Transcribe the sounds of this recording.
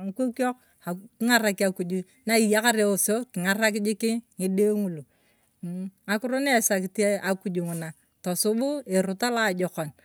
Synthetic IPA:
ŋ˦kʷo˦ko˦k̚ | a˨kɪ˦ŋa˦˨ɾa˨ki˦a˨ku˨d͡ʒu˦ | na˦i˨ja˦ka˦ɾe˦o˨so˦kɪ˨ŋa˨ɾa˦k̬ɪ˦d͡ʒɪ˦kɪ˦ŋɪ˦de˦ŋu˨lu˨ | a˦kʊ˦ɾo˦ne˦˨sa˨kɪ˨te˦a˨ku˨d͡ʒu˨ŋʊ˨na˨ | to˨sʊ˦bʊ˦e˨ɾʊ˨ta˦la˦˨d͡ʒɔ˨kɔ˨n

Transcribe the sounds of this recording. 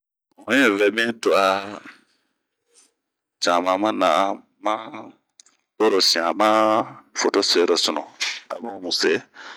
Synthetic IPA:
ɔ̃˦ɛ̃˦˨vɛ˨bɛ̃˦to˨a˨ | t͡ʃã˨mã˨mã˦nã̰˨˦ | mã˦ | o˦ɾo˨sĩ˨ã˨ma˦fo˨to˦se˦ɾɔ˨sɔ˨nɔ̰̃˨a̰˨bɔ̃˦mũ˨se˦

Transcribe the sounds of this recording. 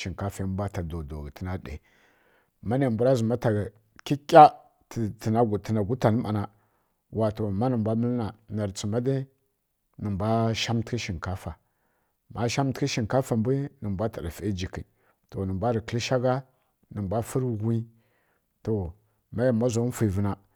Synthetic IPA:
ʃi˨ŋka˦fa˨˦n˦bʷa˦ta˨do˨do˨ɡi˨tə˦na˦ɗḛ˨ | ma˦ne˨bu˨ɾa˦zu˨ma˦ta˨ɡ | ki˦kʲʼa˦ | tti˨na˨ɡtə˨na˨ɡu˦ta˨n˦ma˨na˨ | wa˨to˨ma˦nə˨bʷa˦mə˦lna˨na˨ɾt͡si˨ma˦da˦ | nə˨mbʷa˦ʃa˦mtki˦ʃi˨ŋka˦fa˨ | ma˦ʃa˦m˦tki˦ʃi˨ŋka˦fa˨mbi˦nə˨mbʷa˦ta˨ɾa˨fe˦d͡ʒi˨kḭ˨ | to˨nə˨mbʷa˦ɾi˨kə˨˦li˦ʃa˦ɡa˦ | nə˨mbʷa˦fu˦ɾɡʷi˦ | to˨ | ma˦ja˨ma˦zo˨˦n˦fi˨və˨na˨

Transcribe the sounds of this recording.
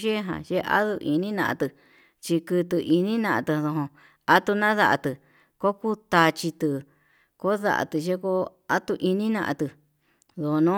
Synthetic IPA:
ʒe˦ɦã̰˨ʒe˦ʔa̰˦ðu˧ʔi˧nĩ˦nã̰˧ʔã̰˧t̪ɨ˧ | t͡ʃi˧kɨ˧t̪ɨ˧ʔi˧nĩ˦nã˧ʔã˧t̪ɨ˧ðo˧ɦõ˧ | a˦t̪u˧nã˦ða˧ʔa̰˧t̪ɨ˧ | ko˦ku˦t̪a˧t͡ʃi˧t̪ɨ˧ | ko˦ða̰˧ʔa̰˨t̪ɨ˧ʒe˦ko˦ | a˦t̪u˧ʔi˧nĩ˦nã̰˧ʔã̰˧t̪ɨ˧ | ðo˧o˧nõ˦

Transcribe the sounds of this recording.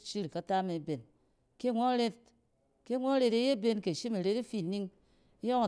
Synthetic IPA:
t͡ʃi˦ɾi˨ka˦ta˦me˨˦be˨n | ke˦˨ŋʷo˦ɾe˦t̚ | ke˦ŋʷo˦ɾe˧ɾe˦je˦be˦nke˨ʃi˦me˨ɾe˦ti˦fi˦˨ni˦ŋ˦ | jo˦ŋa˨

